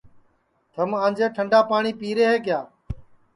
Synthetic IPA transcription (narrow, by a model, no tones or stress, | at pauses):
t̪ʰəmãːnd͡ʒeːʈʰəɳɖaːpaːɳiːpiːɾeːɦeːkjaː